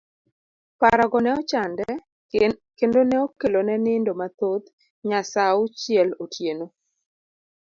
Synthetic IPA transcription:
paɾaɡɔnɛɔt͡ʃandɛ | kendonɛokelonɛnɪndomat̪ot̪ | ɲasaʊt͡ʃɪɛlotʰjeno

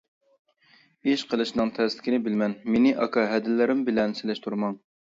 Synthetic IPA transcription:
iʃqʰəlˠɨʃnɨŋt̪ʰɛzlɪ̥kʲɪnɪbɪlmɛnmenɪʔɑ̰kʰɑɦɛd̪ɪlːɪɾɪmbɪlɛnsɪlɛʃt̪ʰuɾmɑŋ

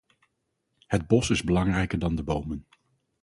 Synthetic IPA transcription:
həd̚bɔsɪzbəlɑŋrɛjkəɹdɑndəbowmən

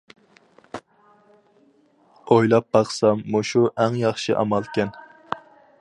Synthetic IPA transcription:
ojlˠɑp̚bɑχsɑmːuʃuʔæŋjɑχʃɨʔɑ̰mɑlˠkʲɛn

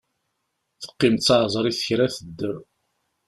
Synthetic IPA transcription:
θə̥qːɪmt̪t͡sːɑʕzˤɾˤiθə̥çɾæθəd̪ːə

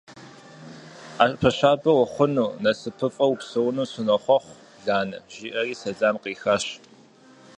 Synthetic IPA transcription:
aːɕʼpʰɐɕaːbɐwɐχʷʊnuːnɐsɨpʰɨfʼɐwupsɨwnuːsɪnɐχʷɔχʷ | ɮaːnɐ̰ʒ̥iːʔɐriːsɐɮaːmqiːxɐɕtʼ

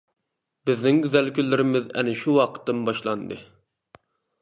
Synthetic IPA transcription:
bɪznɪŋɡʲyzɛlkʲʰylːɪɾɪmɪzɛ̰nɪʃuwɑqʰə̥t̪ːɨmbɑʃlˠɑnd̪ɨ̰

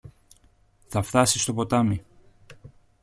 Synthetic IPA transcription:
θɐft̪ɐsist̪o̞po̞t̪ɐmi

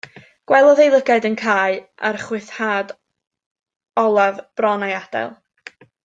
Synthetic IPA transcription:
ɡ̥wɛlˠɔðejlˠəɡaɨdənkʰaːɨʔa̰rχwɪθhaːd | ɔlˠavb̥rɔnajad̥ɛ̰lˠ

